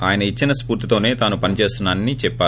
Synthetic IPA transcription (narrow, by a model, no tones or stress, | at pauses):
aːjɐnɐit͡ʃːinɐspuːɾt̪it̪o̞ːne̞ːt̪aːnupɐnit͡ʃe̞ːst̪unaːnːit͡ʃɛpːaː